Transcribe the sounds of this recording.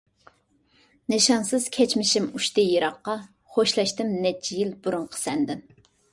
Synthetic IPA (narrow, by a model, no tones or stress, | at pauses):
nɨʃɑnsɨz̥kʲʰɛt͡ʃmɪʃimuʃt̪ɨjiɾɑqːɑ | χoʃlˠɑʃt̪ɪmnɛt͡ʃʰːijilbuɾʊɴqʰə̥sɛnd̪ɪm